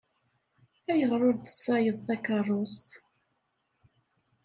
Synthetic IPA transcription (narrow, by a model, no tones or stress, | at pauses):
æjəʁɾˤʊɾd̪ə̥sːɑjəðˤθækərˤːost̪